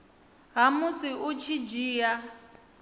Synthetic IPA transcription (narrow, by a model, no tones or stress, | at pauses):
ɦamusiʔut͡ʃʰid͡ʒiːja